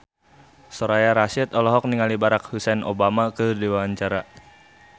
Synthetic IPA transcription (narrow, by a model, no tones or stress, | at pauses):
soɾajaɾasit̪ɔlɔɦɔk̚niŋalibaɾak̚husɛnobamakədiwaaɲt͡ʃaɾa